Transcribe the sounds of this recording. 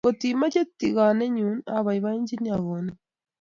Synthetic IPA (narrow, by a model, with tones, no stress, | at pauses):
ko˨t̪i˨ma˦t͡ʃe˦t̪i˨ɣa˨ne˦ɲu˨na̰˨βa˨iβa˦ɲɟi˦ni˦a˨βo˨na˦